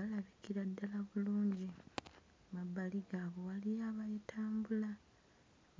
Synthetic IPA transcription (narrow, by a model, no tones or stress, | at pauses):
alaβikiɾadːalaβuluːɲɟi | mabːaliɡaːβo̞walijaːβajetʰaːmbula